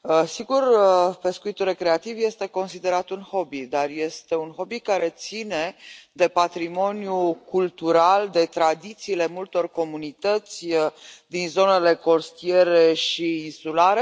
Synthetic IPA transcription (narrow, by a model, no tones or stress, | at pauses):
əsiɡurpe̞skuit̪ulre̞kɾe̞at̪ivje̞st̪e̞ko̞nsid̪e̞ɾat̪unho̞bid̪arje̞st̪e̞unxo̞bikaɾe̞t̪sine̞d̪e̞pat̪ɾimo̞njukult̪uɾald̪e̞t̪ɾad̪it̪siːle̞mult̪o̞rko̞munit̪ət̪sʲd̪inzo̞ne̞le̞ko̞st̪ie̞ɾeʃiːnsulaɾe̞